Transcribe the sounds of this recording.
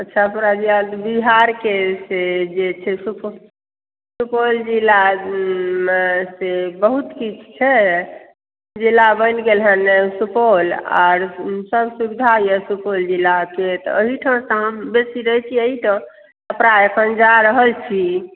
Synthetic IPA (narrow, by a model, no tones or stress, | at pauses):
ətːʃʰapɾad͡ʒilad̪biɦaɾkesed͡ʒet͡ʃʰɛsup | supold͡ʒilːa | mesebəɦut̪kit͡ʃʰt͡ʃʰɛ | d͡ʒilːabənɡelɦənːesupola̰ɾsəbsubid̪ʱajəsupold͡ʒilːaket̪ɔ̰əɦiʈʰə̃səɦəmbesiɾət͡ʃʰiəɦit̪ɔ | əpɾaəkʰənd͡ʒaɾəɦəlt͡ʃʰi